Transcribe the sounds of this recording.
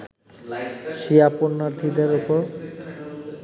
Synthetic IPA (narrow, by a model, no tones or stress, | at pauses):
ʃiaponːaɾt̪ʰid̪eɾupoɾ